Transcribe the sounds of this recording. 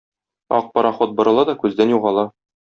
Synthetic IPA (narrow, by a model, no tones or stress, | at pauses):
ɒ̰q̚pɒɾɑχot̪̚bŏɾɤ̆lˠɑd̪ɒkʉzd̪ænjuʁɑlˠɑ